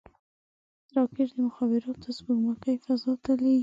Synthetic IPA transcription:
ɾɑkɪʈd̪əmʊxɑbɪɾɑt̪azbuɡməkajfazɑt̪alai

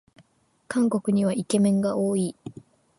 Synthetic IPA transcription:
kãŋko̞kɯ̟ɲ̟iβaike̞mẽ̞ŋɡaʔoːi

